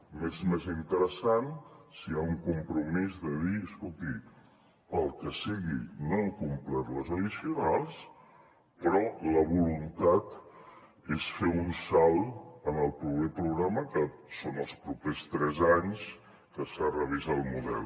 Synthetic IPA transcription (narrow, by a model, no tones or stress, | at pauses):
mezmezint̪əɾəsansiauŋkumpɾumizðəðiəskolˠt̪i | əlˠkəsiɣinoŋkumplɛɾləzəðisiunalˠs | pɾɔləβ̞ulunt̪at̪ | esfeunsalˠənəlˠpɾupepɾuɣɾaməkəsonəlˠspɾupest̪ɾɛzaɲs | kəsarəβ̞izalˠmuðɛ̰l